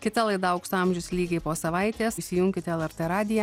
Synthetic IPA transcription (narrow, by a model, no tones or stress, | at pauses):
kʲɪt̪ɐlˠɐɪd̪ɐʊkst̪ɑˑmʲʒʲʊsʲlʲiːɡʲɐɪpoːsɐʋɐɪt̪ʲeːssʲɪjʊŋʲkʲɪt̪ʲɛlˠɛɾʲt̪eːɾɑːd̪ʲɪjɛ